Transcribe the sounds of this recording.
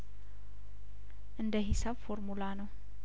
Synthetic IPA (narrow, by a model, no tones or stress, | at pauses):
ʔɨnd̪əɦisabfoɾmulanəw